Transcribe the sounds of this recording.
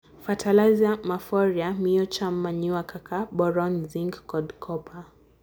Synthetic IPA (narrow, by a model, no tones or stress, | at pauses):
fatʰalaziamafɔɾjamiɔt͡ʃamːaɲuakʰakʰabɔɾɔnziŋɡkɔdkʰɔpʰa